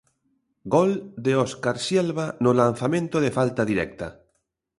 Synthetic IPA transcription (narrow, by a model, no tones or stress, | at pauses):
ɡold̪eoskaɾsjelβanolan̟θamẽnt̪oðefalt̪aðiɾɛ̰k̚t̪a